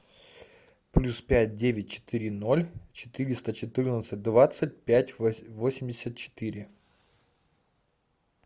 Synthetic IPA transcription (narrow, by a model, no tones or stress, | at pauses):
plʲuspʲæt̚ʲdʲevʲɪt̚ʲt͡ɕɪ̥t̪ɨɾʲɪno̞lʲt͡ɕɪ̥t̪ɨɾʲɪst̪ət͡ɕɪt̪ɨrnət̪sɨt̚ʲd̪vat̪sɨt̚ʲpʲætʲvo̞sʲɪmʲdʲɪsʲət̪̚t͡ɕɪ̥t̪ɨɾʲɪ